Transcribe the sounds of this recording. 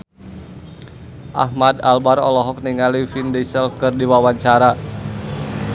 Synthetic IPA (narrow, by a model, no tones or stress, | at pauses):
ʔa̰hmadalbaɾɔ̰lɔɦɔk̚niŋalifindesəlkɨrdiwawaɲt͡ʃaɾa